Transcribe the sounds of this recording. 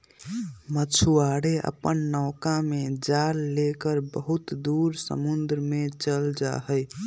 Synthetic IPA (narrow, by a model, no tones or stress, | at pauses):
mət͡ʃʰuaɽeʔə̰pənːɔʊkamed͡ʒaɾlekəɾbəɦut̪d̪uɾsə̰mund̪ɾəmet͡ʃəld͡ʒa̰ɦəj